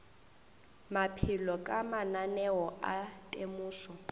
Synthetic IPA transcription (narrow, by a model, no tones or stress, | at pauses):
mapʰilɔkʼamananɛwɔʔatʼemuːsɔ